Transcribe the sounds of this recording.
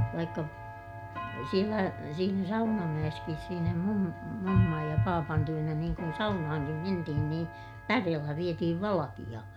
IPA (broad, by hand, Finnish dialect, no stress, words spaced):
ʋɑikːɑ sielæ siːnæ sɑunɑmæj̆eskis siːnæ mum mumːɑj jɑ pɑːpɑn tyønæ niːŋ kun sɑunɑhɑŋkim mentihin niː pæreːlːæ ʋietihiʋ ʋɑlɑkij̆ɑ